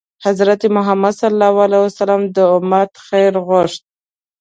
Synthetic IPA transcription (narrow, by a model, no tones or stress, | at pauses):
hazɾat̪emʊɦamad̪salːɑwalasalamd̪əʊmat̪xejɾɣʊʂt̪̚